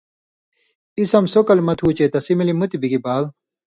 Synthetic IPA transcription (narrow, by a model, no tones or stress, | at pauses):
isɐmsokɐlmɐt̪ʰuːt͡ɕeːt̪ɐsimilimut̪ibiɡibaːl